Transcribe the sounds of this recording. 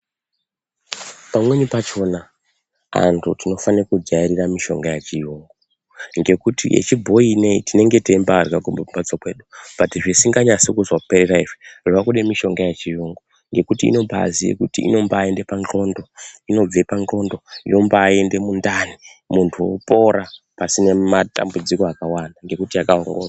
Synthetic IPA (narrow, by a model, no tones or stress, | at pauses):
pamweɲupat͡ʃo̞na | a̰ntʰutino̞fanirakud͡ʒaiɾiramiʃo̞̰ŋɡajet͡ʃijoːŋɡo | ŋɡe̞kutḭʔḛt͡ʃibʱo̞ineitine̞ŋɡe̞tembarakubumbat͡sakwe̞ːɗub̥atiʐisiŋɡaɲasikuzwapeɾeraiʐiʐakuɗemiʃo̞ŋɡajet͡ʃijoŋɡo | ŋɡe̞kutḭːno̞pa̰ːzijḛkutḭʔḭno̞mbaːe̞nde̞pand͡ɮo̞ndo̞ino̞b͡ve̞pand͡ɮo̞ndo̞ijo̞mbaːe̞nde̞mundani | muntʰuwopo̞ɾa | pasine̞mata̰mbud͡zikoakawandaŋɡe̞kutiakaoŋɡo̰ːra